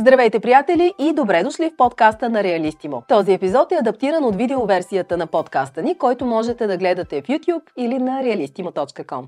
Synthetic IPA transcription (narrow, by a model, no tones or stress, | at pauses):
zd̪ɾɐvɛjt̪ɛpɾijat̪ɛliʔid̪obɾɛd̪ʊʃlifpɔt̪kast̪ənɐɾɛɐlist̪imot̪ɔziɛpizɔt̪ɛɐd̪ɐpt̪iɾənot̪vid̪ɛovɛɾsijət̪ənɐpɔt̪kast̪ənikɔjt̪ʊmɔʒɛt̪ɛd̪ɐɡlɛd̪ɐt̪ɛfjut̪ʲjupilinɐɾɛɐlist̪imot̪ɔt͡ʃkəkɔ̰m